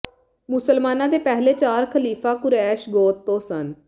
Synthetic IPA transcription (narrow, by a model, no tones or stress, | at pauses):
mʊsəlmaːnãːd̪eːpɛːɦleːt͡ʃaːɾkʰəliːfãːkʊɾɛːʃɡoːt̪ːõːsən